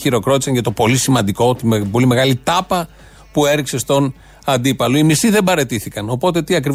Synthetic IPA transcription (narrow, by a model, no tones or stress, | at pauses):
iɾo̞kɾo̞t̪i̥sɐnʝɐt̪o̞po̞lisimɐnd̪iko̞t̪ibo̞lime̞ɣɐlit̪ɐpɐ | pue̞ɾikse̞st̪o̞n | ɐnd̪ipɐloimisiðe̞bɐɾe̞t̪iθikɐno̞po̞t̪e̞t̪iɐkɾiv